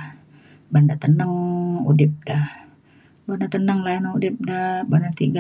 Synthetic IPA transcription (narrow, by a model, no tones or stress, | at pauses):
bandat̪ənəŋṵdɪp̚da | bandat̪ənəŋlanoudɪp̚dabandat̪iɡa